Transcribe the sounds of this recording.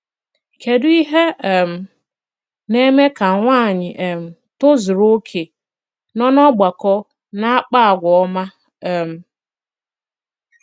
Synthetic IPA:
ke˨dʊ˦i˦ɦe˦˨m̩˨ | ne˦me˦ka˨ŋʷaː˦˨ɲɪ˨ʔe˨m̩˨ | to˦zʊ˨ɾo˦kʰe˨ | nɔ˦nɔ˦ɡ͡ba˨kɔ˦ | na˦a˦k͡pa˦a˨ɡʷɔ˨ɔ˦ma˦ | ɛ˨m̩˨

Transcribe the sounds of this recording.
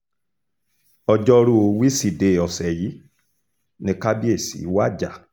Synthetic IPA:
ɔ˧d͡ʒɔ˦˧ɾu˦o˧wi˦si˦˨de˨ɔ˨sɛ˨ji˨˦ | nĩ˧ka˦bi˦e˦˨sḭ˨˦wa˦˨d͡ʒa˦˨

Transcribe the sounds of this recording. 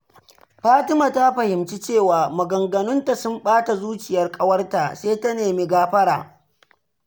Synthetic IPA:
ɸaː˦tɪ˦maː˨ta˦ɸɐ˨hɪ˨mt͡ʃi˦t͡ʃeː˦˨waː˨mɐ˨ɡɐ˨ŋɡɐ˨nʊ˦nta˨sʊ˦mɓaː˦ta˨zuː˦t͡ʃɪ˨jɐ˦rkʼɐ˦wɐ˦rta˨seː˦ta˦neː˨miː˦ɡaː˦ɸɐ˦ɽa̰ː˨

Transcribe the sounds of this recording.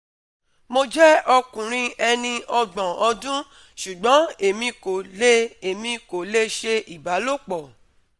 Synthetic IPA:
mo˧d͡ʒɛ˦ɔ˧kũ˨ɾ̃ĩ˧ɛ˧nĩ˧ɔ˧ɡ͡bɔ̃˨ɔ˧dũ˦ | ʃu˨ɡ͡bɔ̃˨˦e˨mĩ˧ko˨le˦e˨mĩ˧ko˨le˦ʃe˧ʔi˨ba˨˦lo˦˨k͡pɔ˨

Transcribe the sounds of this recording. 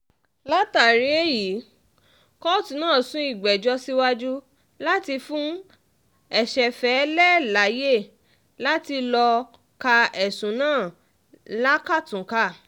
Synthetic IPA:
la˦ta˨ɾi˨˦e˦ji˨˦ | kɔ˦tĩ˧˦nãː˦˨sũ˦i˦˨ɡ͡bɛ˨d͡ʒɔ˧si˦wa˦d͡ʒu˦ | la˦ti˧fũ˦ | ɛ˦˨ʃɛ˨fɛ˨˦lɛ˦la˨˦je˦˨ | la˦ti˧lɔ˧ | ka˧ɛ˨sũ˨˦nãː˦˨ | la˦ka˦˨tũ˨ka˦˨

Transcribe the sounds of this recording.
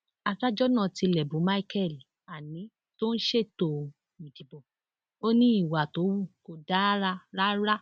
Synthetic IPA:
a˧ka˦d͡ʒɔ˦nã˦˨ti˧lɛ˨bũ˨˦ma˦i˦kɛ˦˨l | a˨nĩ˨˦ | to˦n̩˦ʃe˦˨to˧ | mĩ˨di˨bɔ˨ | o˦nĩ˦i˦˨wa˨to˨˦wu˦˨ko˧da˦ɾa˧ɾa˦ɾa˦

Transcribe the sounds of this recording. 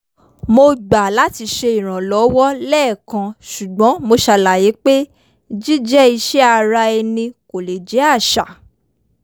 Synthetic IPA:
mo˧ɡ͡ba˨la˨˦ti˧ʃe˧i˨ɾ̃ã˨lɔ˨˦wɔ˦lɛː˦˨kã˧ʃu˨ɡ͡bɔ̃˨˦mo˧ʃa˧la˨je˨˦k͡pe˦ | d͡ʒi˦d͡ʒɛ˦i˧ʃɛ˦a˧ɾa˧ɛ˧nĩ˧ko˨le˨d͡ʒɛ˨˦a˦˨ʃa˨

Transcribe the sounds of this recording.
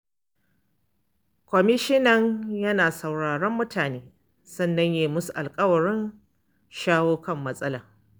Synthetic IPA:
kʷɔ˨mɪ˦ʃɪ˦nɐ˦ɲjɐ˦naː˨sɐ˨wɽaː˨ɽɔ˦mːʊ˦tʰaː˨neː˦ | sɐ˦nːɐ˦ɲjeː˨mʊ˦su˨ʔa˨lkʼɐ˦wɐ˨ɽɪ˦n | ʃaː˦woː˦kɐ˦˨mːɐ˦sʼɐ˦laː˨

